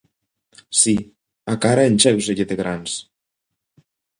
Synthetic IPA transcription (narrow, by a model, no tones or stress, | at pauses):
si | akaɾaenʲt͡ʃɛws̬eʎeðeɣɾans